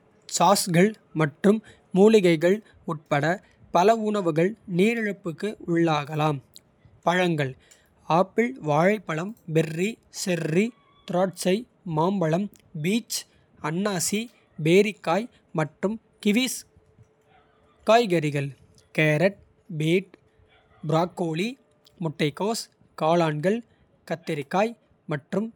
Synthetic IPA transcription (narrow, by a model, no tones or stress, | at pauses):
saːsɣɐɭ | mɐʈrɯmː | uːlɪɣɐɪɣɐɭ | ʊʈ̚pɐɽɐ | pɐlɐʊɳɐʋɯɣɐɭneːɾɪɻɯpːɯkːɯʊɭːaːɣɐlaːm | pɐɻɐŋɡɐɭ | aːpːɪɭʋaːɻɐɪpːɐɭɐmbɛrːisɛri | t̪ʊɾaːʈt͡ʃɐɪ | maːmbɐɭɐm | biːt͡ʃ | ɐnːaːsi | beːɾɪkːaːj | mɐʈrɯm | kɪʋiːs | kaːjɣɐɾɪɣɐɭ | keːɾɐʈ̚ | beːʈ̚ | bɪɾaːkːoːɭi | mʊʈːɐɪkːoːs | kaːlaːɳɡɐɭ | kɐt̪ːɪɾɪkːaːj | mɐʈrɯm